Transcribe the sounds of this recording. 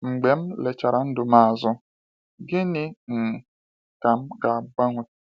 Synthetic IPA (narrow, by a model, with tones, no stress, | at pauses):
ŋ͡m̩˨ɡ͡be˨m̩˦le˨t͡ʃa˨ɾa˨n̩˦dʊ˨ma˦˨zʊ˦ | ɡɪ˦nɪ˦ŋ̩˨ | ka˨m̩˦ɡa˨ɡ͡ba˦ŋʷʊ˦